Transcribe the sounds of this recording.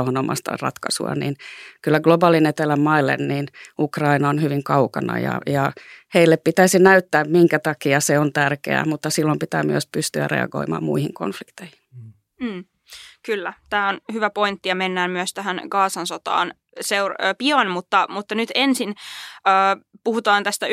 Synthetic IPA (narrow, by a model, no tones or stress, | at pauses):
onomʔɑ̰st̪ɑ̰rɑ̰t̪kɑsṵɑ̰nḭnkylːæɡlobɑːlinet̪elæmmɑilːḛnniːnukrɑinɑonhyʋiŋkɑukɑnɑ̰jɑ̰jɑheilːeppit̪æisinæyt̪ːæːmmiŋkæt̪ɑkiɑseont̪ærkḛæ̰mut̪ːɑsilːompit̪æ̰ːmyøspyst̪yæ̰rḛɑ̰ɡo̰imɑ̰ːmmṵihiŋko̰nflikt̪eihi̥n | m̩ː | kylːæt̪æːonhyʋæpoint̪ːiɑmenːæːmmyøst̪æhænɡ̥ɑːsɑnsot̪ɑ̰ːn | seurpiɑnmut̪ːɑmut̪ːɑnyt̪ensinəːpuhut̪ɑːnt̪æst̪æ